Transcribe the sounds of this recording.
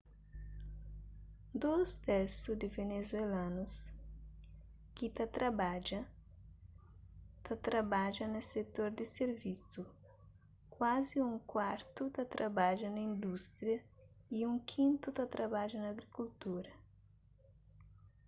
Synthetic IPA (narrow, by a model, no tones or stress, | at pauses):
d̪owst̪ɛɾsud̪ɪvenezwelãnus | kit̪ɐt̪ɾabad͡ʒɐ | t̪ɐt̪ɾabad͡ʒɐnɐset̪oɾd̪ɪseɾvisu | kwaziũŋkwaɾt̪ut̪ɐt̪ɾʔabad͡ʒɐnɐĩnd̪ust̪ɾjɐ | iũŋkʰĩnt̪ut̪ɐt̪ɾabaʒɐnɐːɡɾikult̪uɾɐ